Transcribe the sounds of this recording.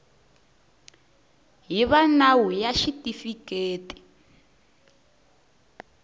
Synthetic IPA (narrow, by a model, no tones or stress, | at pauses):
ɦiβanawujaʃitifikeːti̥